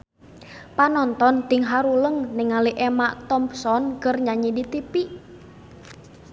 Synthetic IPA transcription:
panɔnt̪ɔnt̪iŋɦaɾuləŋnɪŋaliʔemaʔt̪ɔmpsɔnkərɲaɲidit̪ipiʔ

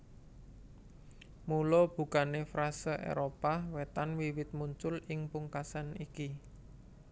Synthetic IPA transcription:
mulɔb̥ṳkanefɾʔasəʔḛɾopawet̪anwiwɪt̪̚muɲt͡ʃʊlɪŋpuŋkasaniki

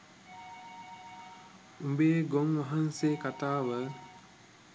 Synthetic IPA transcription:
umbeːɡoŋʋaɦanseːkat̪aːʋə

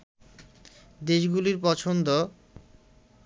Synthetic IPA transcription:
d̪eʃɡuliɾpɔt͡ɕʰond̪o

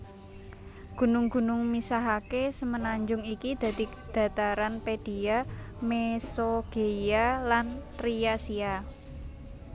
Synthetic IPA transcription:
ɡ̥ṳnʊŋɡ̥ṳnʊŋmisaɦakesəmənaɲd͡ʒʊŋikid̪̥ä̤d̪i | d̪̥ä̤t̪aɾanped̥i̤amesoɡ̥e̤jalant̪ɾiasia

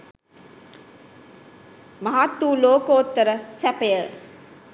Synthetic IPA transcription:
mɐɦat̪ːuːloːkoːt̪ːəɾəsæpəjə

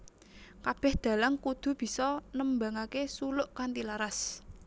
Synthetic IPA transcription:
kab̥ɛ̤hd̪̥a̤laŋkud̪̥ṳb̥i̤sɔnəmbaŋakesulʊʔkant̪ilaɾas

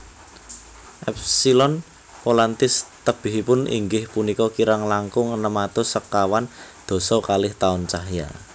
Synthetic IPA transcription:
ʔɛp̚silɔn | polant̪ɪst̪əb̥ɪ̤ɦipʊnʔḭŋɡɪhpunikɔkiɾaŋlaŋkʊŋənəmat̪ʊsəkːawand̪̥o̤sɔkalɪht̪aʊnt͡ʃaɦja̰

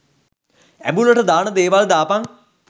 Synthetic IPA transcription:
æ̰mbuləʈəd̪aːnəd̪eːʋald̪aːpaŋ

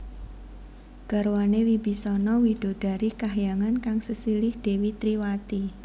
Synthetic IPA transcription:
ɡ̥a̤ɾwanewibi̤sɔnɔwid̥o̤d̥a̤ɾikaɦjaŋankaŋsəsilɪhd̥e̤wit̪ɾiwat̪i

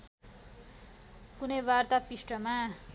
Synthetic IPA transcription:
kunʌjbart̪apisʈʌma

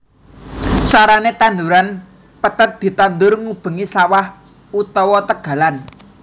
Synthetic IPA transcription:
t͡ʃaɾanet̪and̪uɾan | pət̪ət̪̚d̪̥i̤t̪and̪ʊrŋub̥ə̤ŋisawah | ut̪ɔwɔt̪əɡ̥a̤lan

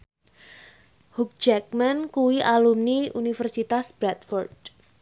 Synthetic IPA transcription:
huk̚d͡ʒɛk̚mankuwiʔalumniunifərsit̪asb̥ɾat̪fɔrd̥

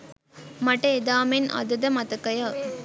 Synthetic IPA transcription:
mɐʈːɐed̪aːmenʔɐ̰d̪ɐd̪ɐmɐt̪ɐkːɐja

